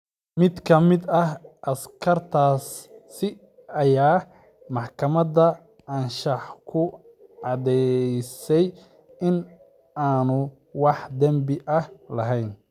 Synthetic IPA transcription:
mɪd̪kʰɐmɪd̪ɐɦʔɐskʰɐrt̪ʰaːsːɪ | ɐjaː | mɑħkʰɐmɐdɐ | ʕɐnʃɐħkʰʊ | ʕɑd̪ɛjsɛj | ʔɪn | aːnʊ | wɑħd̪ɐmbɪʔɐhlɐɦɛjn

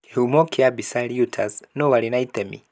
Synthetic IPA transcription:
humɔkʰiabisaliutʰaznɔwalinait̪ɛmḭ

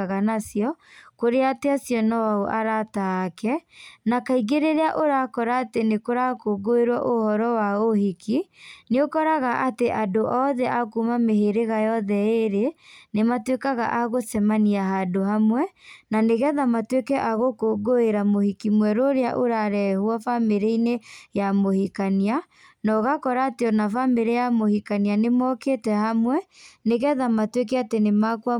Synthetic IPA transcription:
ɣanasjɔkoɾeateasjɔnawaoʔaɾataːkɛnakaiɣeɾeɾeaʔoɾakɔɾaːtenekoɾakoːɡoeɾwaʔohɔɾɔwaohikineokɔɾaɣaʔateʔadoʔɔðɛʔakumameheɾeɣajɔðɛeɾenematwekaɣa̰ʔaɣoθɛmaniaɦadohamwɛnaneɣɛðamatwekɛʔaɣokoːɡoeɾamohikimwɛɾoɾeaʔoɾaɾɛhwɔfameɾeinejamohikania | nɔɣakɔɾaːteɔnavameɾejamohikanianemɔkeːtɛhamwɛneɣɛðamatwek̬ɛatenemakwa

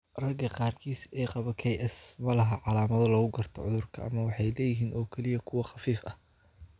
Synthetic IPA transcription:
rɐɡɐqɑːrkʰiːsɛːqɑβɐkʰɛjʔɛsmɐlɐɦɐʕɑlaːmɐðɐlɔːɣʊɡɐrt̪ʰɔʕʊðʊrkʰɐ̰ʔɐ̰mɐwɑħɑjlɛːjɪɦiːnɔːkʰɛlɪjɐkʰʊwɑχɑfiːfɐh

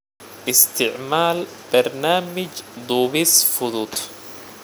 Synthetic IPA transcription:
ʔɪst̪ʰɪʕmaːl | b̥ɐɾnaːmɪd͡ʒd̪uːβisfʊd̪ut̪

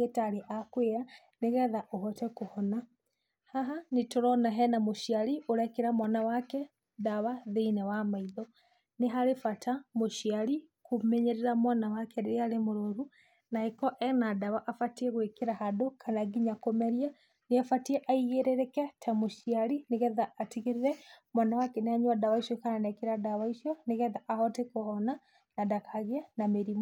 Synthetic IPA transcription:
ɣetaɾeʔakweɾa | neɣɛðaʔoɦɔtɛkohɔna | haɦanetoɾɔnaɦɛnamoʃiaɾioɾɛkeɾamwanawakɛ | daβaðeinawamaiðɔ | neɦaɾefatamoʃiaɾi | komɛɲeɾeɾamwanawakɛɾeeaɾemoɾoɾu | naekɔʔɛnadaβaʔafatiɛɣwekeɾahadokʰanaɡiɲakomɛɾia | neafatiɛʔaiɣeɾeɾɛkatʰamoʃiaɾineɣɛðaːtiɣeɾeɾɛmwanawakɛneaɲwadawaiʃɔkananɛkeɾadaβaiʃjɔneɣɛðaʔahɔtekohɔna | nadakʰaɣeanameɾimɔ

